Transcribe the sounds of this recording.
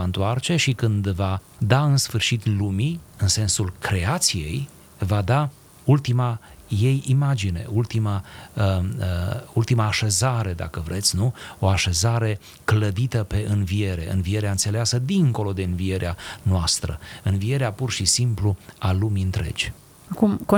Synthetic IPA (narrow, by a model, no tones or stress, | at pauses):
aɨnt̪oart͡ʃe̞ʃikɨnd̪vad̪aɨnsfɨrʃit̪lumiɨnse̞nsulkɾe̞at̪sije̞̰j | vad̪a | ult̪imaje̞jimad͡ʒine̞̰ʔult̪ima | ult̪imaːʃe̞zaɾe̞d̪a̰kəvɾʔe̞t̪sʲnuo̞aʃe̞zaɾe̞ | kləd̪it̪əpe̞ʔɨnvie̞ɾe̞̰ɨ̰nvie̞ɾeaɨnt̪se̞leasəd̪iŋko̞lo̞d̪e̞ɨnvie̞ɾeanoast̪ɾə̰ɨnvie̞ɾeapurʃisimplualumiɨnt̪ɾe̞̰d͡ʒʲ | akumk